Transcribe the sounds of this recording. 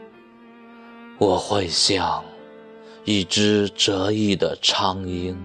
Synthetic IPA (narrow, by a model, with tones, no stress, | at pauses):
wɔ˨˩xwe˥˧ɪɕjɑ˨˩ŋ | i˥˩ʈ͡ʂɻ̩˥ʈ͡ʂɤ˧˥i˥˩d̪ə̰˨˩ʈ͡ʂʰɑ˥ŋi˥ŋ